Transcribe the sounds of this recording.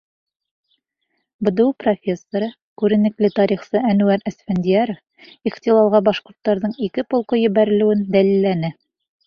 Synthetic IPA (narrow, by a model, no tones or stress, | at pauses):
bŏd̪ɵwprofʲe̞sːoɾɤ | kʉɾɘ̆nɘ̆klɘt̪ɑɾiχsɤænʉæɾæsfænʲd̪ʲiaɾof | iχt̪ʲilˠɑlˠʁɑbɑʃqŏɾt̪ːɑɾðɤɴikɘpŏlˠqojɘ̆βæɾɘ̆lɘ̆wɘnd̪ælilːænɘ